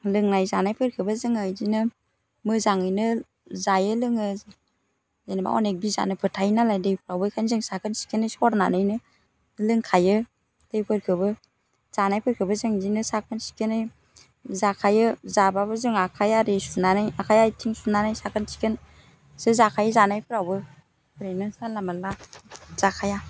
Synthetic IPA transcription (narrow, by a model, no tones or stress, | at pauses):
lɯŋnajzanajpʰɯɾkʰɯbazɯŋɯjzinɯ | mɯzaŋɯjnɯ | zajɯlɯŋɯ | zenba̰ɔ̰nek̚biza̰nɯpʰɯɾtʰajnalajdejpʰɾawbɯjkʰanzɯŋsakʰɯnsi̥kʰɯnɯjsɔɾnanɯjnɯ | lɯŋkʰajɯ | d̥ejpʰɯɾkʰɯbɯ | z̥anajpʰɯɾkʰɯbɯzɯŋzinɯsakʰɯnsi̥kʰɯnɯj | zakʰajɯzababɯzɯŋakʰajaɾesunanajakʰajajtʰiŋsunanajsakʰɯnsi̥kʰɯn | sɯzakʰajɯzanajpʰɯɾawbɯ | pʰɯɾejnɯsalamalaz̥akʰaja